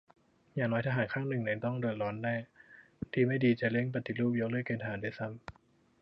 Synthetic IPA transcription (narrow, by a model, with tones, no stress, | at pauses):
jaː˨˩ŋnɔː˦˥jt̪ʰa˧ɦaː˩˦nkʰaː˥˩ŋnɯ˨˩ŋna˧˩nt̪ɔ˥˩ŋdɤ˨˩t̪̚ɾɔː˦˥nːɛː˥˩ | t̪ʰiː˧ma˥˩jdiː˧t͡ɕa˨˩le˥˩ŋp̬a˧˩t̪ʰːi˨˩ɾuː˥˩p̚jo˦˥klɤ˥˩kːeː˧nt̪ʰa˧ɦːdaː˥˩sa˦˥˩m